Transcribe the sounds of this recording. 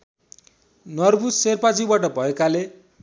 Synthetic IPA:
nʌrbuserpad͡zibaʈʌbʱʌekale

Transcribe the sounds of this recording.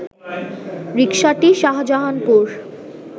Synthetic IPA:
ɾikʃaʈiʃaɦad͡ʑaɦanpuɾ

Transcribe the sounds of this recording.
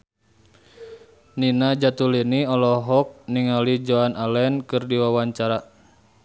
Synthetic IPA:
ninad͡ʒat̪uliniɔlɔɦɔk̚niŋalid͡ʒoanalɛnkɨrdiwawaɲt͡ʃaɾa

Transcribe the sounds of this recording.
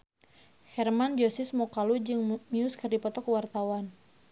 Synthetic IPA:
hɛrmand͡ʒosɪsmɔkalud͡ʒɨŋmiʊskɨrdipɔt̪ɔkəwart̪awan

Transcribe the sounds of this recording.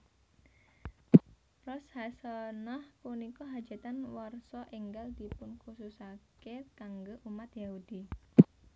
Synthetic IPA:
prɔshasənahkunikɔɦḁd͡ʒ̥a̤t̪anwɔrsɔʔiŋɡald̪̥i̤pʊnkususakekaŋɡoʔumat̪jaɦud̪̥i

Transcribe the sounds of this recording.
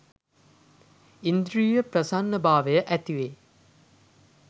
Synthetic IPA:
ind̪ɾiːjəpɾɐsanːəbaːʋəjəʔæt̪iʋeː

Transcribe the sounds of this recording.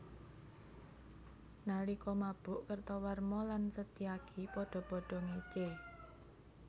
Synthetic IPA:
nalikɔmab̥ʊʔkərt̪ɔwarmɔlansət̪iakʰipɔɖ̥ɔ̤pɔɖ̥ɔ̤ŋet͡ʃe

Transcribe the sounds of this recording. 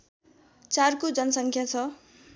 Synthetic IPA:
t͡sarkod͡zʌnʌsʌŋkʰjat͡sʰʌ

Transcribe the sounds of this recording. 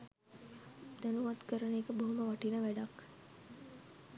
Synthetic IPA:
d̪anuʋɐt̪kəɾəneːkəboɦuməʋɐʈinəʋæɖak

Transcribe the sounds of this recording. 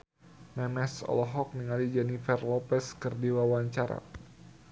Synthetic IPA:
mɛmɛsɔ̰lɔɦɔk̚niŋalid͡ʒɛnifɛrlɔpɛskərdiwawaɲt͡ʃaɾa̰

